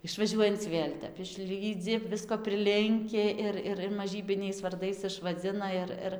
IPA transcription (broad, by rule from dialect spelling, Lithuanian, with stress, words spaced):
ɪʃʋɐˈʒʲuɔjɛnt͡s ˈʋʲeːlʲ ˈtʲɛp ɪʃʲˈlʲiːd͡zʲɪ ˈʋʲɪskoː pʲrʲɪˈlʲɪŋʲkʲɪ ˈɪr ˈɪr ɪr mɐˈʒʲiːbʲɪnʲɛɪs ʋɐrˈdɐɪs ɪʃʋɐˈd͡zʲɪnɐ ɪr ˈɪr